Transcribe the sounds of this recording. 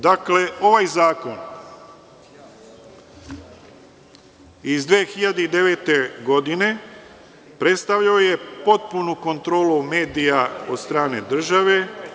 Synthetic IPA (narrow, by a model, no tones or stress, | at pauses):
d̪akle̞o̞ʋajzaːko̞n | izd̪ʋeːxiʎad̪eid̪e̞ʋe̞ːt̪e̞ɡo̞d̪ine̞ | pɾe̞t̪st̪aʋʎaojepo̞t̪̚punuko̞nt̪ɾo̞ːlume̞ːd̪ijao̞̰d̪st̪ɾaːne̞d̪r̩ʒaʋe̞